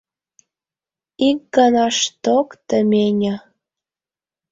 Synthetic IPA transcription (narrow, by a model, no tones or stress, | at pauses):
ik̚ɡɑnɑʃt̪okt̪əmʲenʲə